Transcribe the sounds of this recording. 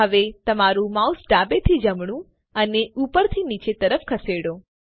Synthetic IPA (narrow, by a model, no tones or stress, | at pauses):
əʋet̪əmaɾũmausɖabet̪ʰid͡ʒəmɳ̃ũ | əneupəɾt̪ʰinit͡ʃet̪əɾəfkʰəseɽõ